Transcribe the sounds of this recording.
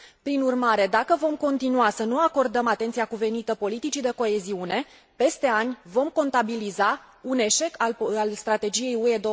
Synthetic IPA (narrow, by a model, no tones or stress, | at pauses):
pɾinurmaɾe̞d̪akəvo̞mko̞nt̪inuasənuako̞rd̪əmat̪ent̪sijakuve̞nit̪əpo̞lit̪it͡ʃid̪e̞ko̞e̞ziune̞ | pe̞st̪e̞anʲvo̞mko̞nt̪abiliza | une̞ʃe̞kalalst̪ɾat̪e̞d͡ʒije̞jue̞d̪o